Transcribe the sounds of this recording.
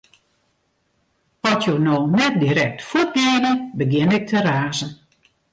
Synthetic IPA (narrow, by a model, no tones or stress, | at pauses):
ɔtjonoːnɛt̚diɾɛk̚tfut̚ɡeːdəbəɡɪnɪk̚tʰəɾaːzən